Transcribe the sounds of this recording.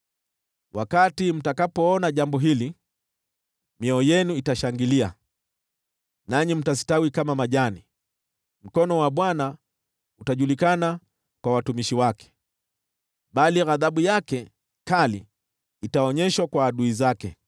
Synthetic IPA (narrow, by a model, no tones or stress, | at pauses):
wʔakatim̩takapɔɔnaʄambɔɦili | mjɛɔjɛnuitaʃaŋɡilia | naɲim̩tasi̥tawikamamaʄani | m̩kɔnɔwaɓwana | utaʄulikana | kwawatumiʃiwakɛ̥ | ɓaliɣaðaɓujakɛ | kalḭː | taɔɲɛʃwakwaːɗuizakɛ